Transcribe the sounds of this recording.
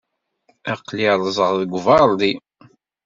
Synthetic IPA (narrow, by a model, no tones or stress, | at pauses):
æqliɾˤzˤəʁððəɡʷvɑld̪i